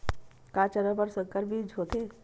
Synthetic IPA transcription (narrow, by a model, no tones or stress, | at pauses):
kaːt͡ʃəɾəpəɾsəkəɾbʱiːd͡ʒʱɦoːt̪eː